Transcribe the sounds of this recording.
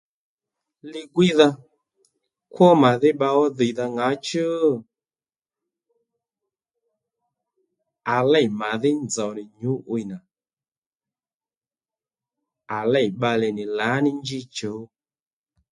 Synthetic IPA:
lɪ˧ɡwi˦ða˧ | kwɔ˦ma˨ðɪ˦ɓa˧ɔ˦ðə˨ða˧ŋɡa˨˦t͡ʃɨ˦ | a˨lɛ˦˨ma˨ðɪ˦nd͡zɔ˨nɪ˨ɲu˨˦ʔwi˨na˨ | a˨lɛ˦˨jɓa˧lɛ˨nɪ˨la˨˦nɪ˦nd͡ʒi˦t͡ʃo˨˦

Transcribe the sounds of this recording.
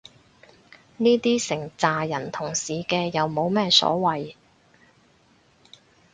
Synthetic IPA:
niː˥t̪iː˥sɪ˨˩ŋt͡saː˨jɐ˨˩nt̪ʰʊ˨˩ŋsiː˨kɛː˧jɐ˨wmo˨˧wmɛː˥sɔ̰ː˨˥wɐ˨j

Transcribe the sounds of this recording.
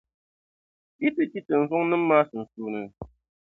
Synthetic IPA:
i˦ti˦ti˦tɨ˨n̩˨zʊ˦ŋnɨ˦m̩ː˦aː˦sɨ˨n̩˨su˦nɨ˦˨

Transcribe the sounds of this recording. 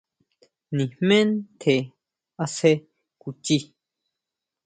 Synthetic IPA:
nĩ˨mẽ˦nt̪ʰe˨ | a˦˧se˦ | ku˨t͡ʃi˦

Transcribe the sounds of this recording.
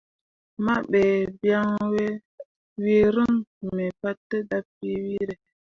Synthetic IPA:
ma˦ɓe˨bja˦ŋwe˦ | wi˦ɾə˦ŋme˨pa˦tːə˦da˦pːi˦wi˦ɾe˨

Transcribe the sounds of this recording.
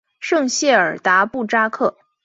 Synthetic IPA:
ʂɤ˥˧ŋɕjɛ˥˩ə˞˨˩t̪a˧˥pu˥˩ʈ͡ʂa˥kʰɤ˥˩

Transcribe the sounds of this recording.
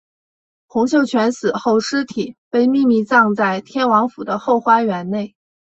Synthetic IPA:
xʊ˧˥ŋɕ̬jo˥˩ʊt͡ɕʰɥɛ˧˥nsɹ̩˨˩xo˥˩ʊʂɻ̩˥t̪ʰi˨˩˦pe˥˧ɪmi˥˧mi˥˧t͡sɑ˥˧ŋt͡sa˥˩ɪt̪ʰjɛ˥nwɑ˧˥ŋfu˨˩d̪ə˦xo˥˩ʊxwa˥ɥɛ˧˥nne˥˩ɪ

